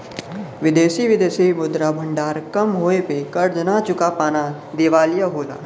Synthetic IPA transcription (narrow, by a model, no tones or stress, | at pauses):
ʋɪd̪eːʃiʋɪd̪eːsimʊd̪ɾabʱə̃ɳɖaːɾkɐmɦoːepekɐɾd͡ʒənat͡ʃʊkapaːna | d̪eːʋaːlijaɦoːla̰ː